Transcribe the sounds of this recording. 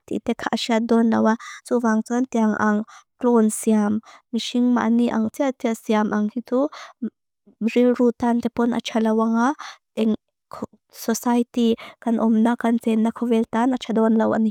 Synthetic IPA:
t̪ḭt̪ɛkʰaʔʃiat̪̚d̪ɔnlɐwat͡suvaŋt͡sɔnt̪iaŋʔa̰ŋklɔnsiamːiʃiŋma̰ʔniʔaŋt͡siat̪iasiamʔaŋhitu | rilɾut̪ant̪ɛpɔnʔa̰t͡ʃʰalɐwaŋa | ɛŋ | kʰ | sɔsajt̪ikanʔɔmnakant͡sɛnːakʰɔvɛlt̪anat͡ʃʰad̪ɔnlɐwʔa̰ni

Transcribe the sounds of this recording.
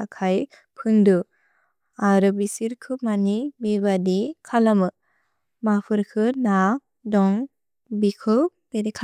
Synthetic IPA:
akʰaj | pʰɯŋdɯ | aɾɯbisiɾkʰɯmanimeβadikʰalamɯ | mapʰɯɾkʰɯna | dɔŋ | bikʰɯbedikʰ

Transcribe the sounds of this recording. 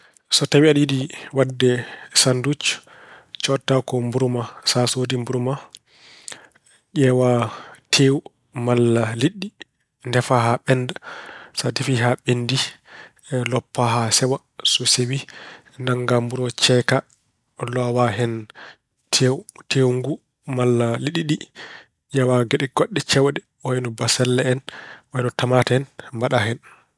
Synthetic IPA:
sɔtawiaɗidiwadːɛsandut͡ʃ | t͡ʃɔtːakɔmbuɾumasasodimbuɾuma | ʄɛwatʰewu | malːaliɗːi | ndɛfaɦaɓɛndasatifiɦaɓendi | lɔpːaɦasɛwa | sɔsewi | naŋɡambuɾɔt͡ʃɛka | lɔwaɦɛn | tʰewtʰewŋɡu | malːaliɗiɗi | jawaɡeɗɛɡoɗːɛt͡ʃɛwdɛ | ɔjɛnɔbasɛlːɛɛnɔɛnɔtamataɛnmbaɗaɦɛn

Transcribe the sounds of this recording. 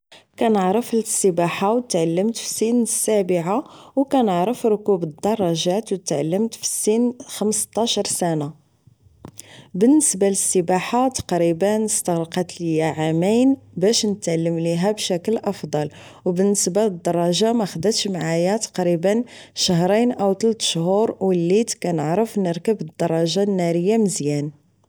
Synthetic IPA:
kænəʕɾəflsːəbaħawt̪ʕalːəmt̪fi̥sinəsːæbəʕawkænəʕɾəfɾʊkubəd̪ːɑrˤːɑʒæt̪wt̪ʕalːəmt̪fi̥sːinxəmst̪ˤɑʃɑɾˤsæna | bənːəsbaləsːəbaħat̪ɑ̥qɾibənəst̪əɣɾqɑt̪ləjːaʕamijnbæʃnət̪ʕalːəmliɦæbʃækəlʔɑfd̪ˤɑl | wbənːəsbaləd̪ːɑrˤːɑʒamæxəd̪ət̪ʃmʕajæt̪ɑ̥qɾibən | ʃəɦɾˤijnʔæwt̪ˤlt̪ʃhuɾwəlːit̪kænəʕɾəfnəɾkəbəd̪ːɑrˤːɑʒanːæɾəjːaməzjæn

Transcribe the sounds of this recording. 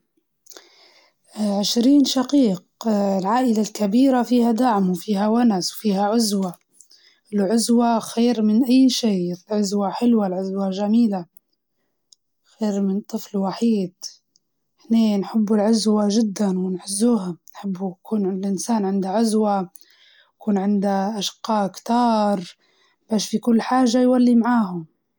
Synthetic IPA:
ʕɪʃɾiːnʃaqiːqlʕaːʔɪlalkabiːɾafiːhad̪aʕmwfiːhawanaswfiːhaʕʊzwa | ʔlʕʊzwaxeːɾmɪnʔajːʃiːlʕʊzwaħɪlwalʕʊzwaʒamiːla | xeːɾmɪnt̪ˤːɨflwaħiːd̪̥ | hneːnħɪbːulʕʊzwaʒɪd̪ːanwɪnħʊzːuːɦanħɪbːukʰuːnʕɪlʔɪnsaːnʕɪnd̪aʕʊzwa | kuːnʕɪnd̪aʔaʃqɑːʔkt̪ɑːɾˤ | b̥aːʃfikʊlːħaːʒajwalːimaʕaːɦʊm

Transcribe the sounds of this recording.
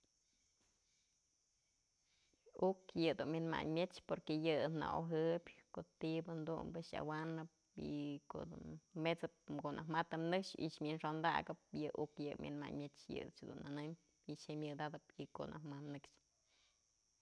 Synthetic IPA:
ukjɨd̪unmʲɨnma̰ɲmjet͡ʃpoɾkejɨna̰ʔoɦɨbʲkoʔt̪ibɨnd̪ṵmbɨʃa̰wanɨp̚ḭko̰ʔd̪ṵnmet͡sɨp̚koʔnʔakmat̪ɨmnɨkʂḭʔt͡ʃmʲɨnʂond̪a̰ɡɨp̚jɨʔukjɨmʲjʔɨ̰nma̰ɲmʲet͡ʃjɨ̰t͡ʃhd̪ṵnanɨm | it͡ʃemʲjɨd̪ad̪ɨpikoʔnʔahmamnɨkʃ

